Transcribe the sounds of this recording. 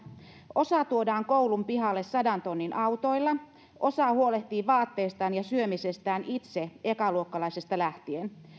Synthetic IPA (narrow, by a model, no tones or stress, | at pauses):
ʔo̞sɑt̪uodɑːŋko̞ulumpiɦɑlːessɑdɑnt̪o̞nːinʔɑwt̪o̞jlːɑ | ʔo̞sɑhuo̞leht̪iːʋɑːt̪ːeːst̪ɑːnjɑsyømise̞st̪æːnʔit̪se̞e̞kɑluokːɑlɑjsest̪ɑlæht̪ien